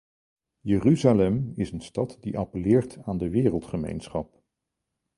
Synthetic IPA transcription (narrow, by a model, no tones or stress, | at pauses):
jəryzalɛmɪsənstɑtdiʔɑpəlɪːɹtʰaːndəʋɪːrəlˠtχəmḛjnsχɑp̚